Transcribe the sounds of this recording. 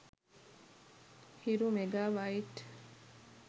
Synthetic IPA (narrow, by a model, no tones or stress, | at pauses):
hiɾumeɡaːʋaiʈ